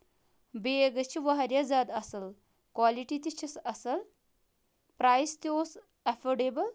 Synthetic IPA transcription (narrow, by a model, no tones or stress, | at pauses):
beɡɐt͡ʃʰiʋaɦɐɾjad͡zaːd̪ɐsɐl | kwaliʈit̪it͡ʃʰisɐsɐl | pɾaːjst̪ioːs | ɐfoɖebɐl